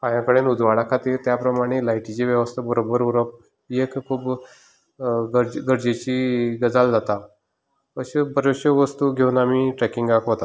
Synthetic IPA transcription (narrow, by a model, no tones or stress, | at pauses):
pãjãkəɽenud̪ʱʋaɽakʰat̪iːɾt̪japɾəmaɽ̃elaiʈit͡ɕeʋjəʋəst̪ʰəbəɾobəɾuɾəp̚ | ekkʰuːp | ɡəɾd͡ʑɡəɾd͡ʑet͡ɕiɡəd͡zald͡zat̪a | əɕebəɾoɕəʋəst̪uɡʱeunamiʈɾɛkiŋɡakɦot̪at̪